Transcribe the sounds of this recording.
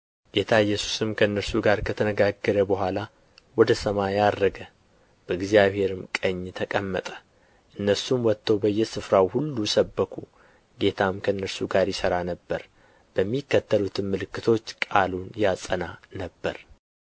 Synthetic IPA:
ɡet̪ʰaɪjːɛsu̥sɨmkʰəɨnːəɾsuɡaɾkʰət̪ʰənəɡaɡːəɾəbəɦʷala | wɔd̪əsəmajad̪ːəɡə | b̥əɨɡzijaβhe̞ɾɨmkʼəɲːt̪ʰəkʼəmːət̪ʼə̥ | ʔɨnːəsumwɔt̪ʰːəwbəjːɛsɨfɾawhulːusəbːəkʰu | ɡe̞t̪ʰamkʰəɨnːəɾsuɡaɾjɪsəɾanəbːəɾ | b̥əmːikːət̪ʰːəlut̪ʰɨnmɨlɨkːɨt̪ʰo̞t͡ʃːkʼalunjasʼənanəbːəɾ

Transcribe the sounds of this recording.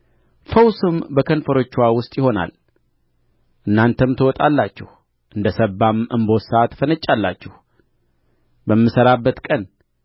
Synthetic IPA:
fəwsɨmbəkʰənfəɾo̞t͡ʃːwawʊst̪ʼjɪho̞na̰l | ʔɨnːant̪ʰəmt̪ʰəwɔt̪ʼalːat͡ʃːɛh | ʔɨnd̪əsəbːamɨmbo̞t̪saat̪ʰfənət͡ʃʼːalːat͡ʃːɛh | bəmːɨsəɾabːət̪kʼən

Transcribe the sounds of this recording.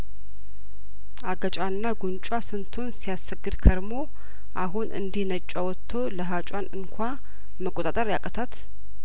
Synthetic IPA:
aɡət͡ʃʼanːaɡunt͡ʃʼwasɨnt̪ʰunsijasəɡɨd̪kʰəɾmo̞ | ʔaɦunʔɨ̰nd̪ihnət͡ʃʼːawɔt̪ʰːo̞ləɦat͡ʃʼanɨŋkʷʰa | məkʼot̪ʼat̪ʼəɾjakʼət̪ʰat̪

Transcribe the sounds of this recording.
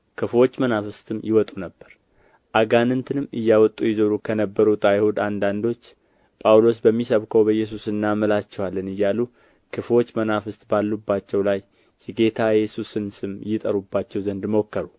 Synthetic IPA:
kʰɨfwo̞t͡ʃːmənafɨst̪ɨmjɪwɔt̪ʼunəbːəɾ | ʔaɡanɨnt̪ʰɨnɨmːɨjːawɔt̪ʼːujɪzoɾukʰənəbːəɾut̪ʼajhod̪and̪and̪o̞t͡ʃː | pʼawlo̞s̬bəmːisəβkʰəwbəjːɛs̬usɨnːaməlat͡ʃːɛwalːənɨjːalu | kʰɨfwo̞t͡ʃːmənafɨst̪ʼbalːubːat͡ʃːɛwlajː | ɛɡe̞t̪ʰajɛsusɨnsɨmjɪt̪ʼəɾubːat͡ʃːɛwzənd̪mokːəɾu

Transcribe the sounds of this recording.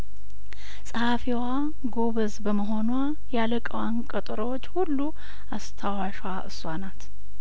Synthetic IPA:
sʼəhafiwa | ɡoβəzbəməɦo̞nwa | jaləkʼəwankʼət̪ʼɨɾowot͡ʃːhulːu | ast̪ʰawaʃwaʔɨswanat̪

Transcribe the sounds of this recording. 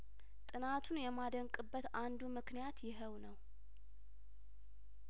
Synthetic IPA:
t̪ʼɨnat̪ʰunjɛmad̪əŋkʼɨbːət̪and̪umɨknijat̪jɪɦəwnəw

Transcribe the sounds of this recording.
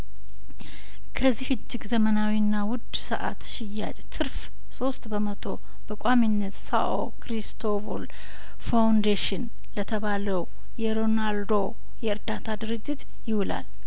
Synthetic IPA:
kʰəzːihɨd͡ʒːɪɡzəmənawinːawʊd̪sə̰ʔa̰t̪ʃɪjːa̰t͡ʃʼt̪ʰɨɾf | so̞st̪bəmət̪ʰo̞ | bəkʷʼaminːət̪sa̰ʔo̰kɾist̪ʰovol | fawnd̪eʃɪn | lət̪ʰəβaləw | jɛɾo̞nald̪o̞ | jɛɨɾd̪at̪ʰad̪ɨɾɨd͡ʒːɪt̪ | jɪhula̰l

